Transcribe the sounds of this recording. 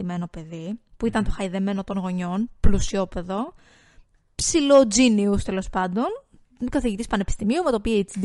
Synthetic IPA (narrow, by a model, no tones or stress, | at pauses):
ime̞no̞pe̞ðipuit̪ɐnt̪o̞xɐjiðe̞me̞no̞t̪o̞nɣo̞ɲo̞nplusio̞pe̞ðo̞ | psilod͡ziniust̪e̞lo̞spɐnd̪o̞n | kɐθiʝit̪ispɐnepist̪imiumɐt̪opiɐit͡sid̪